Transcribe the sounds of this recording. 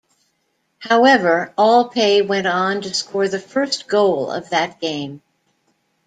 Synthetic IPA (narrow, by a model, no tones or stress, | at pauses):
haʊɛvə˞ɔlˠpʰeɪwɛ̃nn̩tɨskʰɔɹðɨfɜ˞sɡ̥oʊlˠʌ̰vðɨt̚ɡ̥ẽɪ̃m